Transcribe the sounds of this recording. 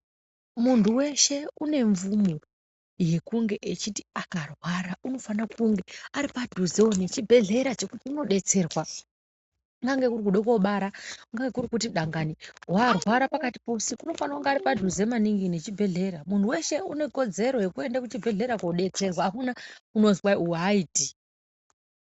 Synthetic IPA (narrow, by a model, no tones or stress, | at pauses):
muntuwe̞ʃe̞une̞ɱvumo | je̞kuŋɡe̞ʔet͡ʃiti̥akarwaɾaʔuno̞fanakuŋɡe̞aɾipadʱuzeonet͡ʃibʱe̞ɮe̞ɾat͡ʃe̞kutiuno̞ɗe̞t͡se̞ːrwa | ŋɡaŋɡe̞kuɾikuɗeko̞ɓaɾaŋɡaŋɡe̞kuɾikutiɗaŋɡaniwarwaɾapakati̥posikuno̞fanakuŋɡeaɾipadʱuzemaniŋɡinet͡ʃibʱe̞ɮe̞ɾamuntʰuwe̞ʃe̞une̞ko̞d͡ze̞ɾo̞je̞kue̞ndakut͡ʃibʱe̞ɮe̞ɾakoɗe̞t͡se̞rwaːkunakuno̞zwaiuaiːti